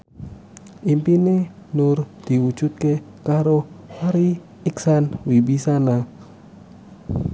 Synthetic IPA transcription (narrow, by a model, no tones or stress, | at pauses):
ʔimpine | nʊrd̪̥i̤wud̥ʒ̥ut̪̚ke | kaɾowaɾi | iksanwibisana